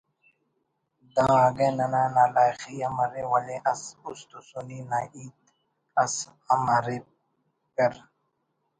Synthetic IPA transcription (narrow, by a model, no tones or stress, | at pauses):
d̪ãːaɡẽnɐnaːnaːlaːjxijamɐɾewaleʔɐsust̪usuninaʔiːt̪̚ | ɐs | amaɾe | peɾ